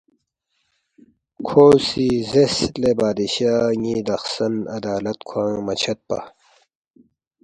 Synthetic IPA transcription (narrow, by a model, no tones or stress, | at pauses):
kʰoːsizeslebaːd̪iɕaŋid̪ɐxsɐnɐd̪aːlɐt̪kʰwãːmɐt͡ɕʰɐt̪̚pa̰